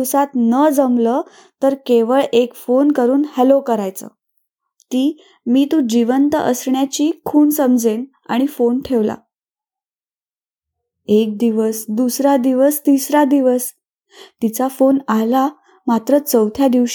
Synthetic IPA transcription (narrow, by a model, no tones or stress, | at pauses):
sat̪nəd͡zəmləː | t̪əɾkeʋəɭʔekfonkəɾuːnhɛlokəɾajt͡sə̰ | t̪iː | miːt̪ũd͡ʑiʋənt̪əʔəsɳjat͡ɕiːkʰuːnsəmd͡zen | a̰ɽ̃ifonʈʰeʋla̰ | ek̚d̪iʋəsd̪usɾad̪iʋəst̪isɾad̪iʋəs | t̪it͡safonala | mat̪ɾət͡səwt̪ʰjad̪iʋɕ